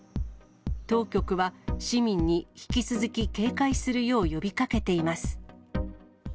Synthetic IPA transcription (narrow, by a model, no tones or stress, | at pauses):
t̪o̞ːkʲo̞kɯ̟βaɕimʲĩɲ̟ːiçi̥kʲit͡sɨzɨkʲike̞ːkaisɨɾɯ̟jo̞ːjo̞bʲikake̞t̪e̞imasɨ̥